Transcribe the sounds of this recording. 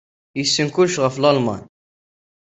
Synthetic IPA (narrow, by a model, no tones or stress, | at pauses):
jəsːənkʊlʃʁæflɑlmɑ̰n